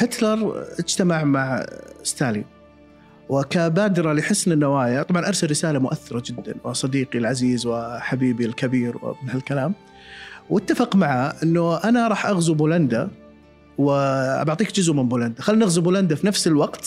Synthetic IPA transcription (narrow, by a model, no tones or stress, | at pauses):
hɪt̪lɑɾˤʔɪd͡ʒt̪amaʕmaʕst̪aːlḭm | wɪkabaːd̪ɾˤɑliħɪsːnɪnːawaːjat̪ˤɑbʕɑnʔɑɾˤsalːɪsaːlamʊʔaθːɪɾˤɑd͡ʒɪd̪ːa̰nwɪ̰sˤɑd̪iːqilʕaziːzwɪħabiːbilkabiːɾwɪ̰mɪnhalkalaːm | wɪt̪ːafɑqmaʕaʔɪnːʊʔanaɾˤɑːħʔaɣzubuːland̪a | wɪbaʕt̪ˤiːkd͡ʒʊzʔmɪnbuːland̪axalːinɪɣzubuːland̪afinafsɪlwɑqt̪